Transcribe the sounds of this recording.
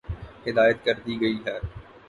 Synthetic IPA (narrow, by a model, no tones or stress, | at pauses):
hɪd̪aːjət̪kɐɾd̪iɡɐiːɦɛː